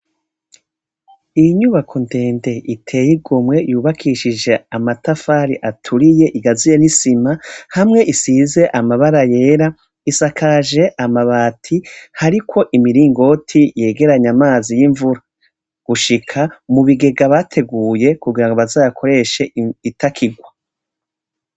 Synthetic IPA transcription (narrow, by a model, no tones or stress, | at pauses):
ijɲuβakʰonte̞ːnde̞itʰe̞ːjiɡomŋe̞juːβakʰiʃid͡ʒe̞amatafaɾiʔatʰuɾije̞ʔiɡazijenisimahamŋe̞ʔisize̞ʔamaβaɾaje̞ːɾa | isakʰaːʒe̞ʔamaβaːtʰihaɾikʰo̞ʔimiɾiːŋɡo̞tʰije̞ːɡe̞ɾaɲamaːzijiɱvuɾa | ɡ̥uʃikʰamuβiɡe̞ɡaβatʰe̞ɡuːje̞kuɡiɾaŋɡoβazaːjakʰo̞ɾe̞ʃe̞itʰakʰiɡwa